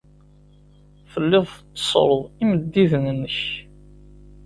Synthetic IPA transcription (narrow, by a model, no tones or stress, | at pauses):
fəlːɪðˤθt͡sːə̥sˤɾˤəðˤiməd̪ːiðnənːəç